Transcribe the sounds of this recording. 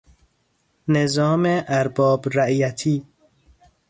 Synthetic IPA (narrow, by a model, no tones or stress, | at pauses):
nezɒːmeʔæɾbɒːbɾæʔjæt̪ʰiː